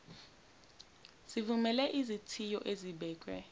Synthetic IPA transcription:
z̥ivumɛlɛʔizitʰijɔʔeziɓɛːkʼwɛ̰

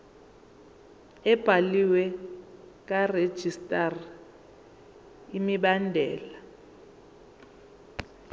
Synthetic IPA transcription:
ɛb̥ʱaliwɛ | k̬ʼared̥ʒ̥ʱistʼar | imiɓandʱɛːla

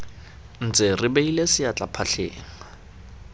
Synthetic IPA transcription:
n̩t͡sʼɪrɪbeilesɪat͡ɬʼapʰaɬʰḛːŋa

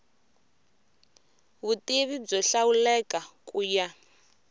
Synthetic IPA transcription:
βutʼiβib͡ʐɔɬawulɛkʼakʼuːja

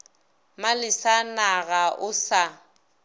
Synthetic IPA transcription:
malɪsanaɣaʔʊsa

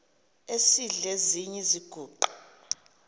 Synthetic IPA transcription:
esiɮeziɲɛziɡ̥ʱuːǃa

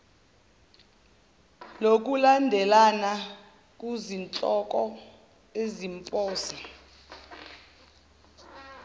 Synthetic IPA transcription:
lok̬ulandʱɛlana | k̬ʼuzint͡ɬʼɔk̬ʼɔ | ezimpʼɔːsi

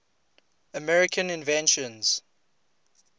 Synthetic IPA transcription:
əmɛɹɪkʰə̃nɪ̃nvɛ̃nʃə̃nz̥

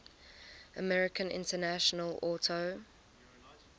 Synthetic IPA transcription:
ʔəmɛɹɪkʰə̃nʔɪ̰̃ntənaʃənəlɔːˑtʰo

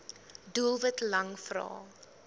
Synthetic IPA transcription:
duəlˠvətlɐŋfrɑ̰ː

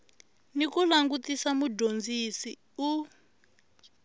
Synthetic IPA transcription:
nikulaŋɡutisamuɟond͡zisi | u

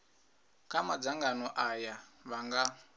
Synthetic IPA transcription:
kamad͡zaŋɡanɔʔajaβaŋɡa

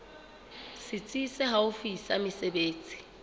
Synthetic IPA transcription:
sɪt͡sʼisɛɦaʊfisamɪsebeːt͡sʼi̥

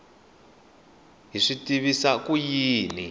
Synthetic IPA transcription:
ɦiʂitiβisakujiːni

